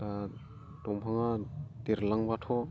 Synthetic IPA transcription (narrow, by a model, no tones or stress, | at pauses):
a | dɔmpʰaŋat̪eɾlaŋbatʰɔ